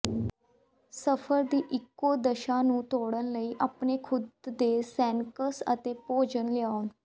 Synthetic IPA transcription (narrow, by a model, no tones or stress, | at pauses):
səfʰəɾd̪iːʔɪkːoːd̪əʃãːnũːt̪oːɽənləiːʔaːpneːkʰʊd̪ːeːsɛ̃ːnkəsə̰t̪eːpoːd͡ʒənlɪaːon